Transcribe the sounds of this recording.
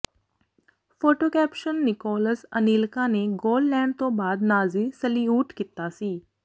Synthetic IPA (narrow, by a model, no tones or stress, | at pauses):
fʰoːʈoːkɛːpʃənːɪkɔːləsəniːlkãːneɡoːllɛ̃ːɳɖt̪õːbaːd̪naːzisəliuːʈkit̪aːsiː